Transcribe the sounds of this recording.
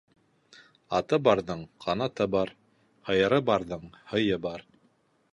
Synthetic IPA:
ɑt̪ɤbɑɾðɤɴqʰɑnɑt̪ɤbɑɾ | hɤ̆jɤ̆ɾɤbɑɾðɤɴhɤ̆jɤbɑɾ

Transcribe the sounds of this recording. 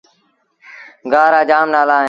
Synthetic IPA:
ɡaːɾaːd͡ʒaːmnaːlãːɦ

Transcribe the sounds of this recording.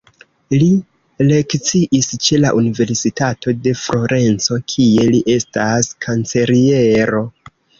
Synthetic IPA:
li | le̞kt͡siʔist͡ʃe̞laʔunive̞ɾsitatʰo̞de̞fɾo̞ɾʔe̞nt͡so̞kʰie̞liʔe̞staskʰant͡se̞ɾie̞ɾo̞

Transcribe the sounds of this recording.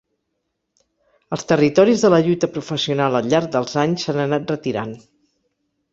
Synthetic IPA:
əlˠst̪ərit̪ɔɾizðələʎut̪əpɾufəsiunalˠəʎːaɾk̚d̪əlˠzaɲsanənat̪̚rət̪iɾa̰n

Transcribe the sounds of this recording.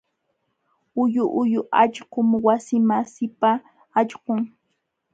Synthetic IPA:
ʊjʊʔʊjʊʔaʎɢʊmwasɪmasɪpaː | ʎɢoŋ

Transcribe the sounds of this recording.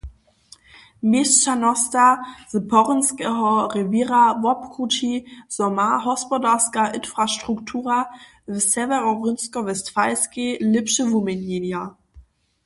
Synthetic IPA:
mest͡ʃanɔstazəpʰɔʁənskɛɦɔʁeviːʁavɔpkʁut͡ʃiz̥ɔmaɦɔspɔdaskaʔɪnfʁaʃtʁ̥uktʰuːʁa | vəsɛvɛʁɔʁʏnskɔvɛstfaɪskelɪpʃəvumenjenja

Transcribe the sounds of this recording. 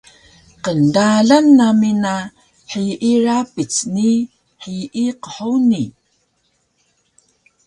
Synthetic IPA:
qəndaɮanːamina | ħiʔirapit͡sni | ħiʔiqəħuni

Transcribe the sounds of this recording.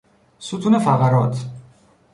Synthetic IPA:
sut̪ʰunɛfaʁaɾɔt̪ʰ

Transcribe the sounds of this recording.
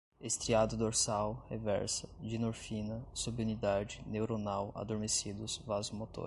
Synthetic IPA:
est̪ɾiad̪ʊd̪oɾsawhevɛ̰ɾsɐd͡ʒinoɾfinɐsubunid̪ad͡ʒɪnewɾonawa̰d̪oɾmesid̪ʊsvazmot̪o̰ɾ

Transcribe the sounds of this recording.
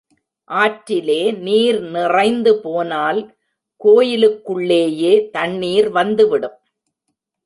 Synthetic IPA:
ʔaːʈɾɪleːniːɾnɪrɐɪnd̪ɯpoːnaːl | koːjɪlɯkːɯɭːeːjeːt̪ɐɳːiːɾʋɐnd̪ɯʋɪɽɯm

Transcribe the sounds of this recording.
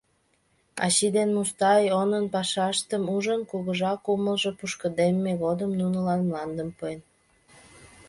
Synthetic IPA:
ɑ̰ɕid̪enmust̪ɑjonənpɑʃɑʃt̪əmuʒənkuɣəʒɑkuməlʒopuʃkəd̪emːeɣod̪əmnunəlɑnmlɑnd̪əmpoen

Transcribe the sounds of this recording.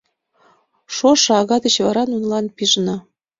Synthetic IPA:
ʃoʃɑɣɑd̪ə̆t͡ɕvɑɾɑnunlɑnpiʒnɤ̆

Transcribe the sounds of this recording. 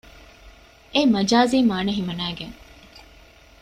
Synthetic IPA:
emɐd͡ʒaːziːmaːnɐɦimɐnæːɡeŋ

